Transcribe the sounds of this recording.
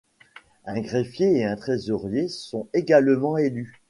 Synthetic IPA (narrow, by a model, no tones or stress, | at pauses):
ɛ̃ɡʁefjeːɛ̃t̪χezɔʁjesɔ̃eɡalmɑ̃ely